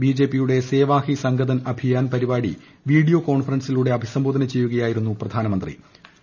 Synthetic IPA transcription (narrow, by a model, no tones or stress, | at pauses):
biːd͡ʑe̞ːpːijuɽe̞se̞ːʋaːhisɐŋɡɐd̪ɐnɐbʱijaːnpɐɾibaːɽḭ | ʋiːɽijo̞ːko̞ːɳfɐrɐnsiluːɽe̞ɐbʱisɐmbo̞ːd̪ʱɐnɐt͡ɕe̞jːuɣɐjaːjiɾunːuprɐd̪ʱaːnɐmɐnd̪rḭ